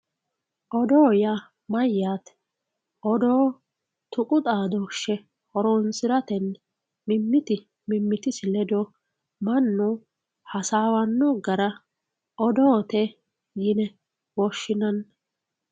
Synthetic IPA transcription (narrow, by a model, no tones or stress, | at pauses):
ʔɔd̪oːja | mɐjːaːt̪ | ʔɔd̪oː | t̪ʊkʼʊt̪ʼaːd̪oʃɛ | hɔɾɔnsɪɾɐt̪ɛn | mɪmːɪt̪ɪ | mɪmːɪt̪ɪsɪlɛd̪ɔ | mɐnːu | hɐsaːwɐnːɔɡɐɾɐ | ʔɔd̪ɔːt̪ɛ | jɪnɛ | wɔʃːɪnɐn